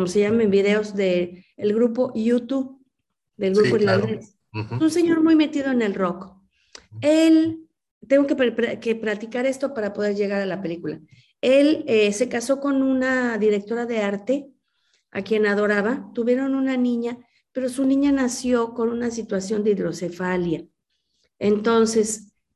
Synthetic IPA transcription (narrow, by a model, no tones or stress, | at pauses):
komoseʝamembið̞e̞o̞zðe̞ːlɣɾupo̞ʔjut̪uβ | d̪e̞lɣɾupoðelad̪ɾe | unse̞ɲo̞ɾmujmet̪iðo̞ene̞lro̞k | el | t̪eŋɡokepkeplat̪ikaɾe̞st̪o̞paɾapo̞ðe̞ɾʝe̞ɣ̞aɾalape̞likula̰ | e̞lese̞kaso̞ko̞nũnaðiɾe̞k̚t̪o̞ɾaðe̞aɾt̪e̞ | a̰kje̞naðo̞ɾaβat̪uβje̞ɾo̞nũnanĩɲa | pe̞ɾo̞sunĩɲanasjo̞ko̞nunasit̪wasjo̞nd̪eiðɾo̞se̞falja | ent̪o̞nse̞s